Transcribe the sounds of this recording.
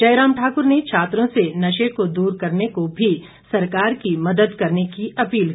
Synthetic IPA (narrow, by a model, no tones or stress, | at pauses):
d͡ʒɐjɾaːmʈʰaːkʊɾnet͡ʃʰaːt̪ɾõsenɐʃekod̪uːɾkɐɾnekobʱi | sɐɾkaːɾkimɐd̪əd̪kɐɾnekiʔɐpiːl